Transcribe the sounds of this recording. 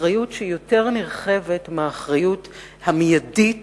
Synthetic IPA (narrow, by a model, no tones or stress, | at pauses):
ʁajutʃejo̞te̞ʁniʁχe̞vetmeːχʁajut | hamjadit